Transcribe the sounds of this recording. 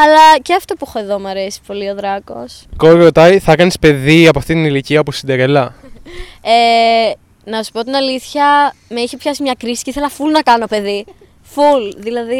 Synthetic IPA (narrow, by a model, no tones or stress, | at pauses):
ɐlɐceɐft̪o̞puexoe̞ðo̞mɐɾe̞si̥po̞lio̞ðɾɐko̞̰skoɾot̪ɐjθɐkɐnispe̞ðiɐpoɐft̪it̪iniliciɐpusid̪ɐɾelɐ | e | nɐsu̥po̞t̪inɐliθçɐmeiçepçɐsimɲɐkɾisi̥ceiθe̞lɐfulnɐkɐno̞pe̞ði | fulðilɐði